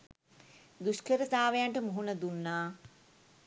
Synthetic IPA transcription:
d̪uʃkəɾət̪aːʋejaɳʈəmuɦunəd̪unːaː

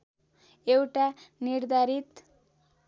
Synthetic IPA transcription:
ewʈanird̪ʱaɾit̪

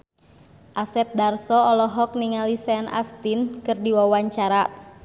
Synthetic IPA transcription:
ʔasɛt̪̚darsɔɔlɔɦɔk̚niŋalisɛna̰st̪inkɨrdiwawaɲt͡ʃaɾa

